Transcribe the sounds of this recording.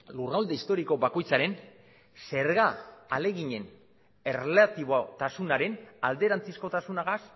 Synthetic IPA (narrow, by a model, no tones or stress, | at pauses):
lurawld̪eist̪o̞ɾiko̞bako̞jt͡saɾe̞n | se̞ɾɣaːle̞ɣiɲe̞n | e̞relat̪iβot̪asunaɾe̞nald̪e̞ɾant͡sisko̞t̪asunaɣas